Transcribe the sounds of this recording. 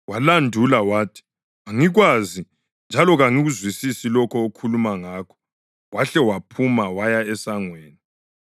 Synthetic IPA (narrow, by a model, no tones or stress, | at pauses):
walandʱulawaːtʰi̥ | aŋiɣwazi | nd͡ʒʱalɔɣaŋiɣuzwisisilɔkʰɔokʰulumaŋaːkʰɔ̥ | ɣwaɬɛwapʰumawajaɛsaŋweːni